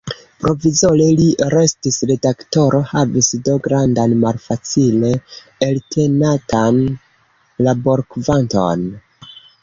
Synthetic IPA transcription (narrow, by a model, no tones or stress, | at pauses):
pɾo̞vizoleliɾe̞stisɾe̞dakto̞ɾʔo̞havisdo̞ɡɾandanmalfat͡sile̞ | eltʰe̞natan | labo̞ɾkvanto̞̰n